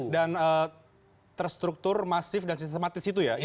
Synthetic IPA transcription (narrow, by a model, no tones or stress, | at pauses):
danə | t̪ərst̪ɾuk̚t̪ʊrmasɪfdansist̪emat̪ɪsit̪uja